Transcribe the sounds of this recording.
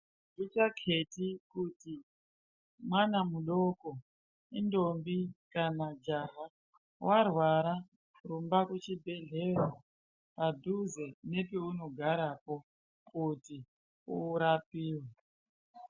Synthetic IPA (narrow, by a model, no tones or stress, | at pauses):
ɡitakʰe̞tikuti | mwanamuɗoko̞ | indombikanad͡ʒaɦa | warwaɾa | rumbakut͡ʃibʱe̞ɮe̞ra | padʱuzene̞peuno̞ɡʱaɾapo̞ | kuti | uːɾapiːwe